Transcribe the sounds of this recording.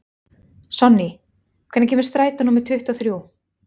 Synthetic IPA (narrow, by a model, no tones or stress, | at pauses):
sɔnːi | kʰvɛt̪ncʰɛmɪɾst̪ɾaːjt̪anuːmɪɾ̥t̪ʰʏht̪awθɾjoːw